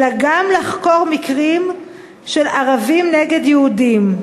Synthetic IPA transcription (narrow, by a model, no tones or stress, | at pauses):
laɡamlaχko̞ʁmikʁim | ʃelaʁavimneɡe̞d̪jeudim